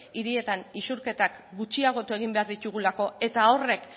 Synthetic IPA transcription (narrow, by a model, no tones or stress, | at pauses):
iɾie̞t̪anisuɾke̞t̪akɡut͡ʃiaɣ̞o̞t̪ue̞ɣ̞imbe̞aɾðit̪uɣulako̞e̞t̪ao̞re̞k